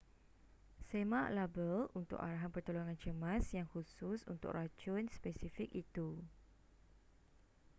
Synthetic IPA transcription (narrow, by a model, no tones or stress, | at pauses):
semãʔlabəlunt̪ʊ̰kaɾaɦanpərt̪oloŋãnt͡ʃəmãsjaŋhusʊsṵnt̪ʊ̰krat͡ʃʊnspɛsifik̚it̪u